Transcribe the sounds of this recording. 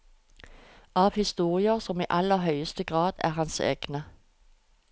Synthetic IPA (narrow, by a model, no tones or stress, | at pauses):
ʔɑːʋhɪst̪uːʁɪəʁsɔmḭːʔɑləɦœʏəst̪əɡʁɑːd̪̥æ̰ːʁhɑnsḛːɡ̥nə